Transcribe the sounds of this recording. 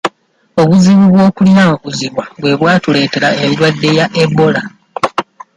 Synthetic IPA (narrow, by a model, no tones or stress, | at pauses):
o̞βuziβuβwo̞ːkuljaoβuziβwaβwe̞βwaːtule̞ːte̞ɾaeɾidwadːe̞jaʔebo̞la